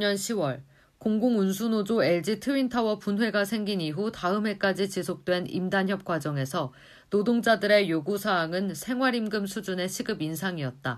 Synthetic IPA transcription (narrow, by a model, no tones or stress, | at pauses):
ɲʌnɕʰiwʌɭ | koŋɡoŋunsʰunod͡ʑoe̞ɭd͡ʑitʰɯintʰawʌpunɦwe̞ɡasʰe̞ŋɡiniɦutaɯmɦe̞k͈ad͡ʑit͡ɕisʰok̚t͈we̞nḭmdançjʌp̚k͈wad͡ʑʌŋe̞sʰʌ | nodoŋd͡ʑadɯɾe̞joɡusʰaːŋɯnsʰe̞ŋɦwaɾimɡɯmsʰud͡ʑune̞ɕʰiɡɯbinsʰaŋiʌt̚t͈a